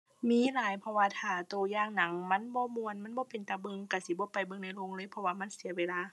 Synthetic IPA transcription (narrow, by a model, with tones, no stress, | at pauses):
miː˧˥˨laː˨˦jpʰɔ˧waː˧t̪ʰaː˧˩t̪oː˨˩jaː˧˩ŋna˨˦ŋma˧˥˨nbɔː˧˦mu˧ə˨nma˧˥˨nbɔː˧˦pe˨nt̪aː˧bɤ˧˨ŋka˧˩si˧˦bɔː˧˦pa˨jbɤ˧˨ŋna˧˩jlo˧˨ŋlɤː˧˥˨jpʰɔ˧waː˧˨ma˧˥˨nsi˨˩˦weː˧˨laː˧˥˨